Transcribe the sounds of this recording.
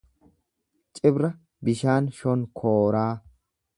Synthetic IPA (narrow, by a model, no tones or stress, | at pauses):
t͡ʃʼɪbɾɐ | bɪʃaːnʃɔnkʰoːɾaː